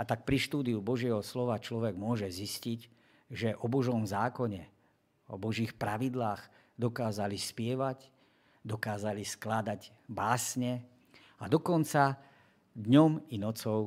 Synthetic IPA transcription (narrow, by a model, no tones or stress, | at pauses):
at̪ak̚pɾiʃt̪uːd̪iubɔʒɪɛɦɔslɔʋat͡ʃlɔʋɛɡmʊɔʒɛzisciɟ | ʒɛʔɔbɔʒɔmzaːkɔɲɛ | ɔ̰bɔʒixpɾaʋid̪laːɣ | d̪ɔkaːzalispɪɛʋac | d̪ɔkaːzalisklad̪aɟ | baːsɲɛ | ad̪ɔkɔnt͡sa | d̪ɲɔminɔt͡sɔʊ